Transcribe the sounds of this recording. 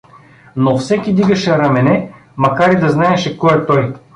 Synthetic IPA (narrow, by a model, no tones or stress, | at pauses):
nofsɛkʲid̪iɡɐʃɛɾɐmɛnɛ | mɐkaɾid̪ɐznaɛʃɛkɔɛt̪ɔj